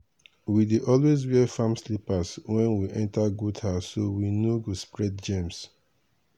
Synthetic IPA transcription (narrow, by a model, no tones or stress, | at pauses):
widiʔɔlwez̬wɛfãmslipaswɛ̃nwiʔɛ̃ntaɡuthasːowinuɡospɹɛd̚d͡ʒẽms